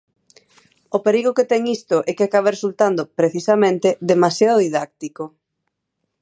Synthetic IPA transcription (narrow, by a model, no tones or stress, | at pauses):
opeɾiɣoket̪ɛŋist̪ʊʔɛkeakaβeresult̪and̪opɾeθisamẽnt̪ed̪emasjaðoðiðak̚t̪iko